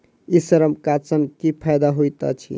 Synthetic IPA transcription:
isəɾəmkat͡sənkipʰajd̪aɦojt̪a̰t͡ʃʰḭ

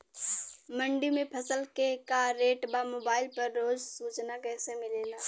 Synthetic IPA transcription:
mə̃ɳɖimẽpʰɐsəlkekaɾeːʈbamoːbaːɪlpɐɾːoːd͡ʒsuːt͡ʃnakɛːsemɪleːlaː

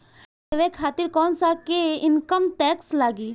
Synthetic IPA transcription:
eʋẽːkʰaːt̪ɪɾkɔːnsaːkeɪnkəmʈɛːkslaːɡiː

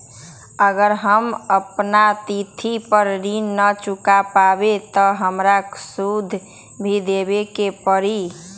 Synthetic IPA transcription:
əɡəɾɦəməpnat̪it̪ʰipəɾɾinːət͡ʃukapabet̪ɔɦəmɾaksud̪ʱ | bʱid̪ebekepəɾi

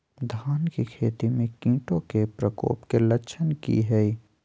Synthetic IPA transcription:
d̪ʱaːnkikʰeːt̪imẽkĩːʈõkepɾəko̰ːpkeləʃʰənkḭɦɛi

